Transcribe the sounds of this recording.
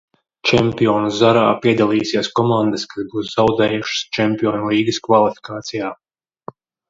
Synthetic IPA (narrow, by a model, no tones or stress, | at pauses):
t͡ʃɛmpiɔːnuzaɾaːpiɛd̪alˠiːsiɛskɔmand̪əskazbuːszawd̪ɛːjuʃə̥st͡ʃɛmpiɔːnulˠiːɡɨskvalˠifi̥kaːt̪sijaː